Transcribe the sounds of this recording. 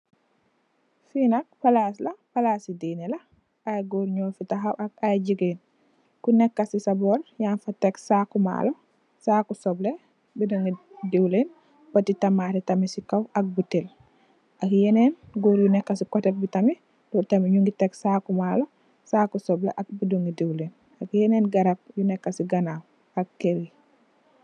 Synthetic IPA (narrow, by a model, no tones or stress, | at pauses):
finak̚palaslapalasidinɛla | ʔajɡoɾɲɔːfitaɦawakajd͡ʒiɡen | kunɛkːasisabɔljanfatɛksakuma̰lɔ | saːkusɔblɛ | bidaŋɡidewlen | bɔtitamatɛtamisikawɐk̚butel | ʔakjenenɡuɾjunɛkːasikɔtɛbitami | dɔtamiɲuŋɡitɛksakumalɔ | saːkusɔblḛʔak̚bidoŋɡidewlen | akjɛneːnɡɐɾap̚junɛkːasiɡanaw | akːeɾi